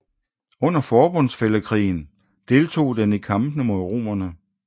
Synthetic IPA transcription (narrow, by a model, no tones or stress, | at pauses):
ɔ̽n̰ɐfɒːb̥ɔ̽n̰sfeləkʰʁḭːn̩ | d̥e̝lt͡sʰo̝̰ːd̥enikʰɑ̈mb̥n̩əmo̝ðˠʁo̝̰ːmɐnə